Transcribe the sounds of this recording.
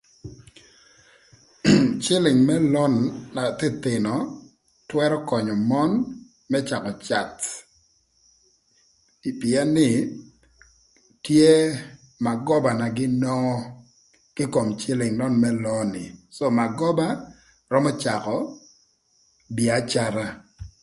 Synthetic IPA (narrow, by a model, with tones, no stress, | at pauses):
t͡ʃɪ˦lɪ˨ŋmɛ˦lɔ˦nːa˨t̪ɪ˦t̪ɪ˨nɔ˨ | twɛ˦ɾɔ˦kɔ˨ɲɔ˨mɔ˦n | mɛ˦t͡ʃa˨kɔ˨t͡ʃa˨t̪ | pɪɛ˦nːɪ˨ | tje˦ | ma˨ɡɔ˦ba˨na˨ɡɪ˦nɔ˦ɔ˦ | kɪ˦ko˨mt͡ʃɪ˦lɪ˨ŋlɔ˦nmɛ˦lɔ˦nɪ˨so˦˨ma˨ɡɔ˦ba˦ | rɔ˦mɔ˦t͡ʃa˨kɔ˨ | bi˨a˨t͡ʃa˦ɾa˦